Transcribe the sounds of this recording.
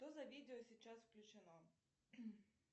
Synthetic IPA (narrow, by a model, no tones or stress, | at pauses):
t̪ozɐvʲidʲɪɔsʲit͡ɕasfklʲʊt͡ɕɪna